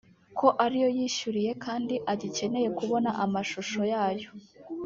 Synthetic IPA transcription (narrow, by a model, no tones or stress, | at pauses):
kʰo̞ʔaɾijo̞jiːʃuɾije̞kʰaːndiʔaɟice̞ne̞je̞kuβo̞naʔamaʃuʃo̞jaːjo̞